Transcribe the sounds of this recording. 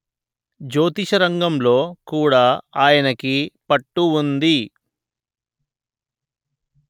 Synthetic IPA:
d͡ʒo̞ːt̪iʃɐɾɐŋɡɐmlo̞ːkuːɽaːaːjɐnɐkipɐʈːuund̪i

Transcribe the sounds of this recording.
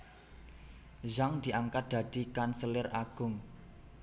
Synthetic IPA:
zaŋd̪̥i̤ʔaŋkat̪̚d̪̥ä̤d̪̥i̤kansəlɪraɡ̥ʊ̤ŋ

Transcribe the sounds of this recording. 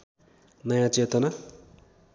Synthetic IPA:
nʌjãt͡set̪ʌna

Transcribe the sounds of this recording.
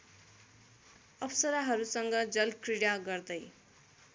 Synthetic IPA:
ʌpʰsʌɾaɦʌɾusʌŋɡʌd͡zʌlkriɽaɡʌrd̪ʌj

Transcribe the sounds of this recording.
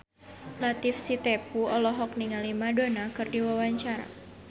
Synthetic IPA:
lat̪ifsit̪epuɔlɔɦɔk̚niŋalimadonakɨrdiwawaɲt͡ʃaɾa̰

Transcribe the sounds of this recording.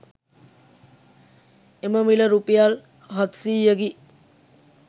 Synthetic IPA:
eməmiləɾupijal | ɦʌt̪siːjəɡi

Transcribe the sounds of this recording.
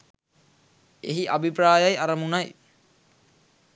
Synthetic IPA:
ḛɦiʔabʱipɾaːjajaɾɐmunaj

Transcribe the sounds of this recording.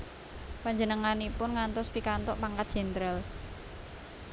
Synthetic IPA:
paɲd͡ʒənəŋanipʊnŋant̪ɔspikant̪ɔʔpaŋkat̪̚ʒ̥ɛ̤nt̪ɾɛl

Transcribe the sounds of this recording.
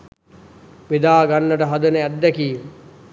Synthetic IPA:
ʋed̪aːɡanːəʈəɦɐd̪ənəæd̪ːækiː

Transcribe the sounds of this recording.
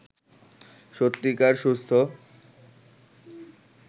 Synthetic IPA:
ʃot̪ːikaɾʃust̪ʰo

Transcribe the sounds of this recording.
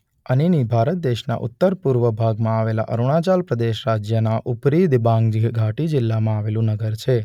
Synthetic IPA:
əninibʱaɾət̪̚d̪eʃna̰ʔʊ̰t̪ːəɾpuɾʋəbʱaɡmãaʋela̰ʔə̰ɾuɽ̃at͡ʃalpɾəd̪eʃɾad͡ʒjənaʔʊpɾid̪bãŋɡd͡ʒɡʱaʈid͡ʒɪlːamãaʋelũnəɡəɾt͡ʃʰe

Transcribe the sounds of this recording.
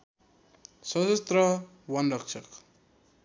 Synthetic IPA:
sʌsʌst̪rʌ | wʌnrʌkt͡ʃʰʌk

